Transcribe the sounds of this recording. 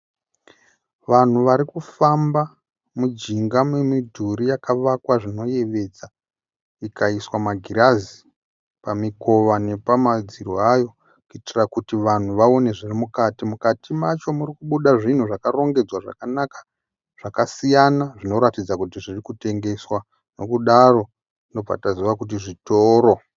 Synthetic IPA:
ʋan̤uʋaɾikufamba | mud͡ʒiŋɡamwemidʱuɾijakaʋakwaʐino̞je̞ʋe̞d͡za | ikʰaiswamaɡʱiɾazi | pamiko̞ʋane̞pamad͡ziɾoajo̞ | kuitirakutiʋan̤uʋao̞ne̞ʐirimukatimukatimat͡ʃo̞murikuɓuɗaʐin̤uʐakaro̞ŋɡe̞d͡zwaʐa̰kanakḁ | ʐ̥akasijanaʐino̞ɾatid͡zakutiʐirikute̞ŋɡe̞swa | no̞kuɗaro̞ | ndob͡va̰taziʋakut̬iʐitoːɾo̞

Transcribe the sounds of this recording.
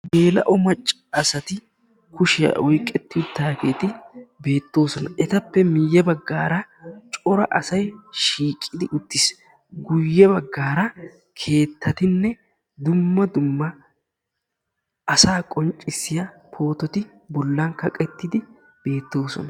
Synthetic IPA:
be̞ːlɐ̰ʔɔmɐt͡ʃʼːɐːsɐt̪ɪ | kʊʃɪjɐ̰wɔjkʼːɛt̪ːɪʊt̪ːaːkeːt̪ɪbe̞ːt̪ːo̞ːsɔnɐʔɛt̪ɐpːɛmɪjːɛbɐɡːaːɾɐt͡ʃʼɔɾɐʔɐsɐjʃiːkʼːɪd̪ɪʔʊt̪ːɪs | ɡʊjːɛbɐɡːaːɾɐ | kʰe̞ːt̪ːɐt̪ɪnːɛ | d̪ʊmːɐd̪ʊmːɐ | ɐsaːkʼɔnt͡ʃʼɪsːɪjɐ | pʰo̞ːt̪ɔt̪ɪ | bɔlːankɐkʼɛt̪ːɪd̪ɪ | b̥e̞ːt̪ːo̞ːsɔ̰nɐ

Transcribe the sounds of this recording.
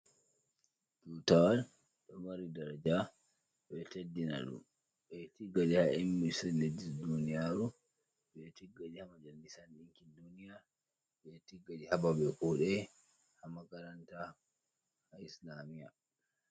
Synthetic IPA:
ɡutawal | ɗɔmaɾidaɾad͡ʒa | ɓɛtedːina̰ɗṵm | ɓɛtiɡːaɗihaimːisɛled͡ʒisdunijaɾu | ɓɛtiɡːaɗihamad͡ʒalisanɗiŋkindunija | ɓɛtiɡːaɗihababɛkɔɗɛ | hamakaɾanta | haislamija

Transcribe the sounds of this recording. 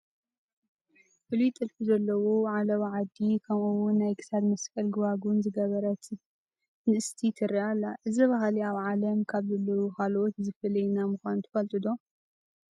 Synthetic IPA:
fɨlit̪ʼɨlfuzɐlːɐwoʕalɐβʕad̪ːikʰɐmuwʊnːajkʰɨ̥sad̪mɐskʼɐlɡɨβaɡunzɨɡɐβɐɾɐt̪ | nɨʔɨst̪ʰit̪ʰɨɾiʔalːaʔɨzɐβaɦaliaβʕalɐmkʰaβzɐlːɐwukʰalot̪zɨfɐlɐjnamɨxʷanut̪ʰɐ̥fɐlt̪ʼɨd̪o

